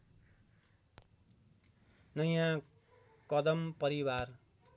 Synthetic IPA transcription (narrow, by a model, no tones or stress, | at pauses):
nʌjã | kʌd̪ʌmpʌɾiwar